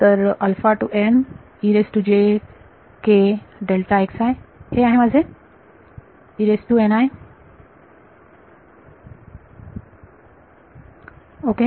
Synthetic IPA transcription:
t̪əɾɐlfaʈuʔen | iɾesʈud͡ʑe | keɖelʈaeksaeheaɦemad͡zʱe | iɾesʈuenaj | oke

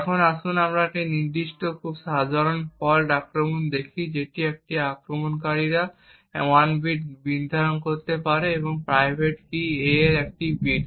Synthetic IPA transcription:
ɛkʰonaʃunamɾakeniɾd̪iʃʈokʰubsad̪ʱaɾonpɔlʈakɾomond̪ekʰid͡ʑeʈiek̚ʈiakɾomonkaɾiɾa | wanbiʈ̚bind̪ʱaɾonkoɾt̪epaɾeeboŋpɾajbʱeʈkieeɾɛk̚ʈibiʈ

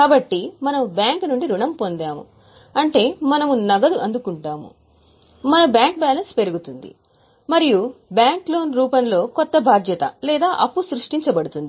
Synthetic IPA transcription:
kaːbɐʈːimɐnɐmubjaːŋknuɳɖiɾuɳɐmpo̞nd̪aːmṵ | ɐɳʈe̞ːmɐnɐmunɐɡɐd̪uʔɐnd̪ukuɳʈaːmṵ | mɐnɐbjaːŋk̚baːlɐnspe̞ɾuɡut̪und̪ḭ | mɐɾijubjaːŋklo̞ːnɾuːpɐnlo̞ːkɔt̪ːɐbʱaːd̪ʱjɐt̪ɐ̰lɛːd̪aːʔɐpːusɾuʂʈiɲt͡ʃɐbɐɽut̪und̪i

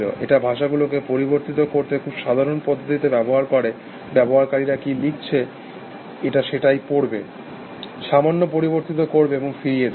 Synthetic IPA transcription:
lo̰ʔḛʈabʱaʃaɡulokepoɾiboɾt̪it̪̬okoɾt̪ekʰubʃad̪ʱaɾonpɔd̪ʱːot̪it̪ebɛboɦaɾkoɾe | bɛboɦaɾkaɾiɾakilik̚t͡ɕʰe | eʈaʃeʈajpoɾbe | ʃamanːopoɾiβoɾt̪it̪̬okoɾbeeboŋfiɾijed̪

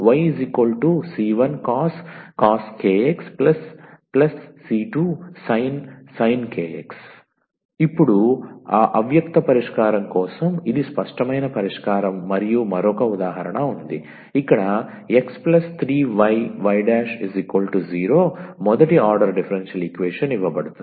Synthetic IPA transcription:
ʋɐjizikʋɐlʈusiːʋɐnkaːskaːskeːeksplɐsplɐsːiːʈuːsɐjnsɐjnkeːḛks | ipːuɽuaːʔɐʋjɐkt̪ɐpɐɾiʂkaːɾɐmkɔːsɐmid̪ispɐʂʈɐmɐjnɐpɐɾiʂkaːɾɐmːɐɾijumɐɾɔkɐud̪aːɦɐɾɐɳɐund̪i | ikːɐɽɐ | e̞ksplɐst̪ʰɾiːʋɐjʋɐjɖaːʂizikʋɐlʈuziːɾo̞ːmɔd̪ɐʈiaːɾɖɐɾɖipʰɐɾenʂɐlikʋeːʂɐniʋːɐbɐɽut̪uni

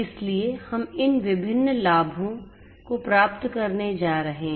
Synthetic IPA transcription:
ɪsliehɐmɪnʋɪbʱɪnːlaːbʱõ | kopɾaːpt̪kɐɾned͡ʒaːɾɐɦẽɦ

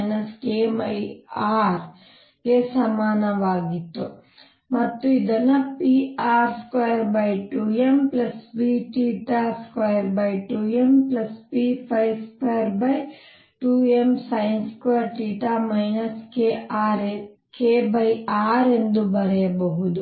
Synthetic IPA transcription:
nɐskeːmɐjaːɾ | kesɐmaːnɐʋaːɡit̪ːu | mɐt̪ːuid̪ɐnːɐpiaːɾskʋɐjɐɾbɐjʈuːemplɐsbiʈiːʈaːskʋɐjɐɾbɐjʈuːemplɐspiːpʰɐjskʋɐjɐɾbɐj | ʈuːemsɐjnskʋɐɾʈiːʈaːmɐjnɐskeːʔaːɾe | keːbɐjaːɾe̞nd̪ubɐɾɛjɐbɐɦud̪u

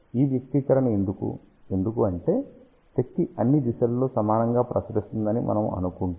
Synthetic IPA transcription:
iːʋjɐk̚t̪ikɐɾɐnɐend̪ukṵ | e̞nd̪ukuɐɳʈe̞ː | t̪ekt̪ːiɐnːid̪iʃɐlːo̞ːsɐmaːnɐŋɡaːpɾɐsɾist̪und̪ɐnimʔɐ̰nɐmɐ̰nukuɳ

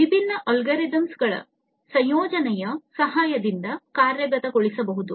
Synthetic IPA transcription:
ʋibʱinːɐʔɐlɡɐɾed̪ɐmsɡɐɭɐ̰ | sɐ̃jjɔːd͡ʒɐnɛjɐsɐɦaːjɐd̪ind̪ɐkaːɾjɐɡɐt̪ɐɡoɭisɐbɐɦud̪u

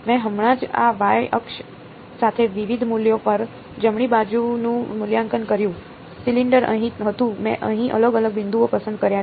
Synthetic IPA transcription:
mɛ̃ɦəmɳãd͡ʒa̰ʋajʔə̰kʃ | sat̪ʰeʋiʋid̪ʱmuljopəɾ | d͡ʒəmɳ̃ibad͡ʒunũmʊljaŋkənkəɾjũ | siliɳɖəɾə̰ɦĩɦət̪ũmɛ̰̃ʔəɦĩʔə̰ləɡələɡ̚bɪnd̪ʱuopəsənd̪̚kəɾja

